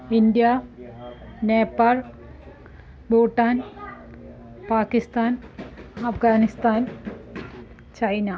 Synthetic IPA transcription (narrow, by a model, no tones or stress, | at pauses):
ind̪ja | neːpaːl | boːʈːaːn | paːkist̪aːnɐfɡaːnist̪aːn | t͡ɕɐjna